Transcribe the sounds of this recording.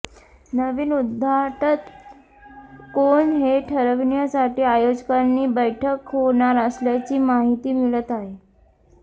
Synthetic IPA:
nəʋiːnud̪ʱːaʈət̪ | koɳɦeʈʰəɾəʋnijasaʈiːajod͡ʑkanːiːbəjʈʰəkɦoɳ̃aɾəsljat͡ɕiːmaɦit̪iːmiɭət̪aɦe

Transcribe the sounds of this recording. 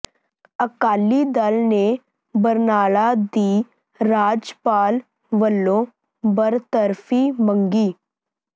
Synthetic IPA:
əkaːlid̪əlne | bəɾnaːɭad̪iː | ɾaːd͡ʒpaːl | ʋəlːõː | bəɾt̪əɾfʰimə̃ŋɡiː

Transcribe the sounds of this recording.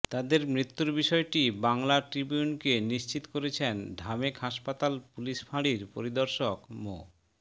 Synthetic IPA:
t̪ad̪eɾmɾit̪ːuɾbiʃɔeʈibaŋlaʈɾibijunkeniʃt͡ɕit̪o̥koɾet͡ɕʰenɖʱamekɦaʃpat̪alpuliʃfaɽiɾpo̰ɾid̪oɾʃokmo̰

